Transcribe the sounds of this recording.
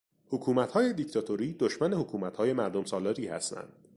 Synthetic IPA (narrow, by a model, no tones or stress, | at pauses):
hokʰuːmæt̪hɒːje̞d̪ict̪ʰɒːt̪ʰoɾiːd̪oʃmænehokʰuːmæt̪hɒːje̞mæɾd̪omsɒːlɒːɾiːhæ̰st̪æ̰nd̪̥